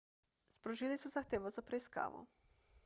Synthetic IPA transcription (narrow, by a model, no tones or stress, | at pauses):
spɾɔʒiːlisɔzaxt̪eːʋɔzapɾɛiska̰ːʋɔ̰